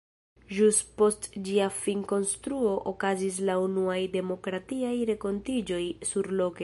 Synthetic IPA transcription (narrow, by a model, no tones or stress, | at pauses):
ʒuspo̞std͡ʒiafinko̞nstɾuo̞ʔokazis̬launuajde̞mo̞kɾatiajɾe̞ko̞ntid͡ʒo̞jsuɾlo̞ke